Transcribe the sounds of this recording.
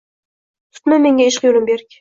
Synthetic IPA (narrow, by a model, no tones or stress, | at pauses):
t̪ʰʊ̥t̪mame̞ŋɡʲaeʃqjolɪmbeɾɪkʲ